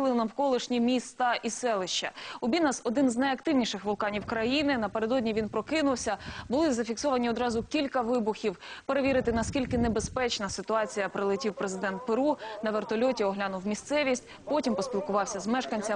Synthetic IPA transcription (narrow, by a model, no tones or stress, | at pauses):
lˠɪnɐwkɔlˠɪʃnʲimʲist̪ɑʔisɛlˠɪʃt͡ʃɐ̰ʊbʲinɐsɔd̪ɪnznɐjɐk̚t̪ɪwnʲiʃɪxʋʊlˠkɑnʲiwkɾɐjinɪnɐpe̞ɾed̪ɔdʲnʲiʋʲinpɾɔkɪnʊwsʲɐbʊlˠɪzɐfʲiksɔʋɐnʲiɔd̪ɾɑzʊkʲilʲkɐʋɪbʊxʲiwpeɾe̞ʋʲiɾɪt̪ɪnɐskʲilʲkɪnebe̞spɛt͡ʃnɐsɪt̪ʊɑt͡sʲijɐpɾɪlˠɪtʲiwpɾezɪd̪ɛnt̪̚peɾunɐʋert̪ɔlʲɔtʲiɔɦlʲanʊwmʲist̪sɛʋʲisʲtʲ | pɔtʲimpɔsʲpʲilˠkʊʋɑwsʲɐzmɛʃkɐnʲt͡sʲɐ